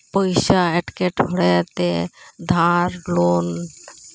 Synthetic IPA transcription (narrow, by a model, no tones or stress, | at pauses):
pojsaeʈkeʈʰoɽɛt̪ed̪ʱaɾlon